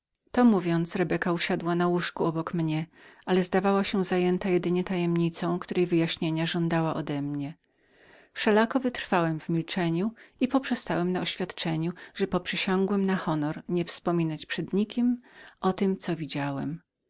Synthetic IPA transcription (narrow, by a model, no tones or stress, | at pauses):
t̪ɔmuvʲjɔnt̪sɾɛbɛkauɕad̪wanawuʂkuɔbɔkmɲɛʔalɛzd̪avawaɕɛzajɛnt̪ajɛd̪ɘɲɛt̪ajɛmɲit̪sɔ̃w̃kt̪uɾɛjvɘjaɕɲeɲaʐɔnd̪awaʔɔd̪ɛmɲɛ | fʂɛlakɔvɘt̪ɾ̥fawɛmvmʲilt͡ʂɛɲuipɔpʂɛst̪awɛmnaɔɕfʲjat̪t͡ʂɛɲuʐɛpɔpʂɘɕɔ̃ŋɡwɛmnaxɔnɔɾɲɛfspɔmʲinat͡ɕpʂɛd̪ɲikʲimʔɔt̪ɘmt̪sɔvʲid͡ʑawɛ̰m